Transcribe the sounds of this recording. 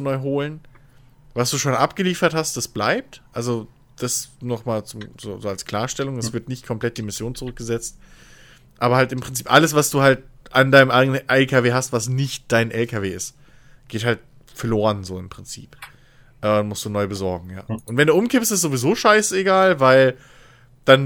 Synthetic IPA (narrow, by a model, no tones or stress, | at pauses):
nɔʏɦoːlən | vasd̥uːʃoːnʔapɡ̥əliːfɐthast̚d̥asb̥laɪp̚tʔalzo | d̥asnɔχmaːlt͡sʊmzo̰ːzoːalskl̥aːɐʃtɛlʊŋɛsv̥ɪɐtnɪçtkʰɔmplɛt̚d̥iːmɪsjoːnt͡sʊʁʏk̚ɡ̥əzɛt͡st | ʔaːbɐhaltɪmpʁ̥ɪnt͡siːpʔaləsv̥asd̥uːhalt̚ʔandaɪnəmʔaɪɡənənʔɛlkaveːɦastv̥asnɪçt̚d̥aɪnʔɛlkʰaveːɪst | ɡ̥eːthalt̚ | fɛɐloːʁənzoːɪmpʁ̥ɪnt͡sḭːp | ʔɛːʊnmʊstd̥uːnɔʏbəzɔɐɡŋ̩ja̰ːʔʊntv̥ɛnduːʔʊmkɪpstɪstz̥ovizoːʃaɪseɡaːlvaɪl | d̥an